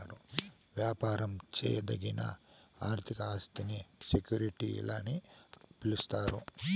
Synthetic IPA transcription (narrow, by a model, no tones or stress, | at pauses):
ɾu | ʋjaːpaːɾɐmt͡ʃɛ̰ːjɐd̪ɐɡinɐ̰ | aːɾt̪ʰikɐaːst̪inisekjuːɾiʈiḭlaːni | pilust̪aːɾu